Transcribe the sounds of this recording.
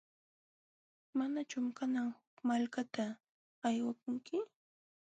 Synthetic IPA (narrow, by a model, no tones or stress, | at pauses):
manat͡ʃʊmkanaŋhʊkmalkat̪aː | jwak̚ʊŋkɪ